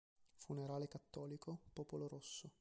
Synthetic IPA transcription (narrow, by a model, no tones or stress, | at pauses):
funeɾaːlekat̪ːɔːlikopɔːpoloɾosːo